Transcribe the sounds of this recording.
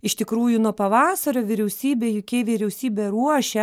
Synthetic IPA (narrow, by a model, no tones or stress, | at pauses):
ɪʃt̪ʲɪkɾuːjʊnuɔpɐʋɑːsɐɾʲoːʋʲɪɾʲɛʊsʲiːbʲeːjʊkʲeːʋʲiɾʲɛʊsʲiːbʲeɾuɔʃʲɛ